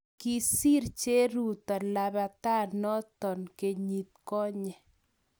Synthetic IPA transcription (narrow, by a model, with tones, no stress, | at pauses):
ki˦si˦ɾt͡ʃe˦ɾu˨t̪ɔ˨la˨βa˨t̪a˦nɔ˦t̪ɔ˨nke˨ɲi˨t̪̚kɔ˦ɲɛ˨